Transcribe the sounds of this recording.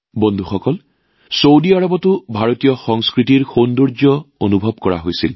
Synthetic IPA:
bondʱuxɔkɔl | sowdiaɹɔbɔtʊbʱaɹotijɔxɔŋskɹitiɹxonduɹd͡ʒjɔonubʱɔb̚kɔɹa̰ɦojsḭl

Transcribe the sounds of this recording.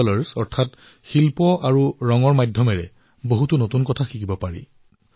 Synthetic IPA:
laɹsɔɹtʰat | xilpɔʔaɹuɹɔŋɔɹmajdʱjɔmɛɹɛ | boɦutunotunkɔtʰaxikibɔpaɹḭ

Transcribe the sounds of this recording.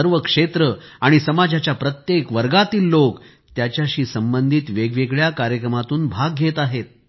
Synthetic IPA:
əɾʋəkʂet̪ɾəaɽ̃isəmad͡ʑat͡ɕjapɾət̪jekʋəɾɡat̪iːlːok | t̪jat͡ɕjaɕiːsəmbənd̪ʱiːt̪ʋeɡʋeɡɭjakaɾjəkɾəmat̪uːnbʱaɡːʱet̪aɦet̪̚

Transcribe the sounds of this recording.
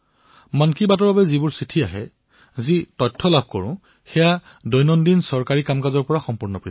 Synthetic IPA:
mankibatɔɹbabɛzibʊɹsɹitʰiaɦɛ | zitɔtʰːɔlab̚ʱkɔ̰ɹʊ̰̃ | xɛja | dɔjnɔndinsɔɹkaɹikamkazɔɹpɔɹaxɔmpuɹnɔpɹi

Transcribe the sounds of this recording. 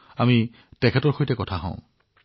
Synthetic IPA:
ami | tɛkʰɛtɔɹxojtɛkɔtʰaɦɔ̰̃ʊ̃

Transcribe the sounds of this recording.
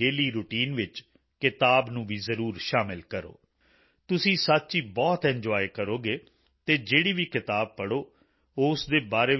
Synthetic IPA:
eːliːɾuːʈiːnʋɪt͡ʃ | kɪt̪aːbnũːʋiːzəɾuːɾʃaːmɪlkəɾo̰ː | t̪ʊsĩːsat̪ːt͡ʃiːbɔːt̪ɛ̃ɲd͡ʒɔːekəɾoːɡeː | t̪eːd͡ʒeːɽiːʋiːkɪt̪aːb̚pəɽoː | oːʊsd̪eːbaːɾeː

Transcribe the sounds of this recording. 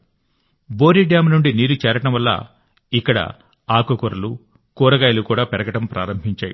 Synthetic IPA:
bo̞ːɾiɖjaːmɐnuɳɖiniːɾut͡ʃɛːɾɐʈɐmʋɐlːa̰ | ikːɐɽɐ̰ | aːkukuɾɐlu | kuːɾɐɡaːjɐlukuːɽaːpɛɾɐɡɐʈɐmpɾaːɾɐmbʱiɲt͡ʃaːju

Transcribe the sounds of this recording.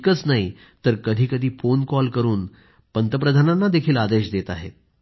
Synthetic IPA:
kət͡snaɦi | t̪əɾkəd̪ʱiːkəd̪ʱiːfonkɔlkəɾuːn | pənt̪əpɾəd̪ʱananːad̪ekʰiːlad̪eɕd̪et̪aɦḛ

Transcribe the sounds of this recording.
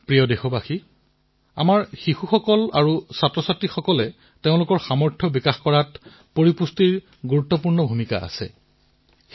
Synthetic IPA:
pɹijɔdexɔbaxi | a̰maɹxixuxɔkɔla̰ɹusatɹɔsatɹixɔkɔlɛ | teʊ̃lʊkɔɹxamɔɹtʰɔbikaxkɔɹat | poɹipustiɹ | ɡuɹutːɔpuɹnɔbʱumika̰a̰sɛ̰

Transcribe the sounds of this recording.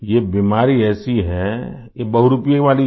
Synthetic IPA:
jebiːmaːɾiɛːsiɦɛ | jebɐɦuɾʊpijeʋaːli

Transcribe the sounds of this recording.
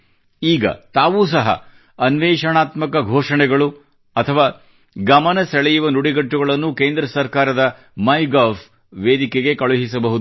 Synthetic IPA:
iːɡɐ̰t̪aːʋuːs̬ɐɦɐ̰ | ɐnʋɛːʂɐɳaːt̪mɐkɐɡʱoːʂɐɳɛɡɐɭu | ɐt̪ʰɐʋaː | ɡɐmɐnɐsɛɭɛjuʋɐnuɽiɡɐʈːuɡɐɭɐnːukeːnd̪ɾɐsɐɾkaːɾɐd̪ɐ | mɐjɡaːf | ʋeːd̪ikeɡe̞kɐɭuɦisɐbɐɦud̪u

